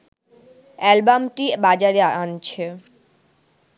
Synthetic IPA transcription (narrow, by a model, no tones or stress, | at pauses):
ɛlbamʈibad͡ʑaɾeant͡ɕʰe